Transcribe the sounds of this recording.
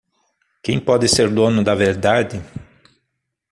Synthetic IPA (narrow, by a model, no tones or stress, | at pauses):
kẽj̃pɔd̪ɪseɾd̪õnʊd̪ɐveɾd̪ad̪ɪ